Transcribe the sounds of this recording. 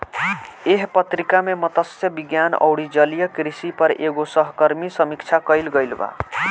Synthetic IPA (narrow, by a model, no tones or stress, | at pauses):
eɦpət̪ɾikamemət̪əsjəbiɡjanə̰wɽid͡ʒəlijəkɾisipəɾeɡosəɦkəɾmisəmikt͡ʃʰakəjlɡəjlba̰